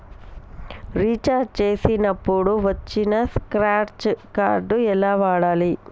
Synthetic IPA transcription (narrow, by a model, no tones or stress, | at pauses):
ɾiːt͡ʃːaːɖt͡ʃeːsinɐpːoːɽuʋɐt͡ʃːinɐskɾaːʈt͡ʃkaːɾɖɯɛlːaːʋaːɽaːli